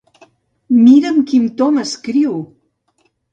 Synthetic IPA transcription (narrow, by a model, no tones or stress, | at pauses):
miɾəmkimt̪ɔməskɾiw